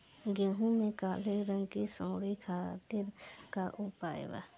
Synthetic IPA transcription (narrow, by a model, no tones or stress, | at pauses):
ɡẽɦũmẽkaːleɾəŋkisõːɽikʰaːt̪ɪɾkaʔupa̰ːj̰ʋa̰